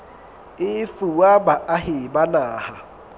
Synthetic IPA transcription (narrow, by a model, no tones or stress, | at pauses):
ɪfuwabaʔaɦɪbanaːha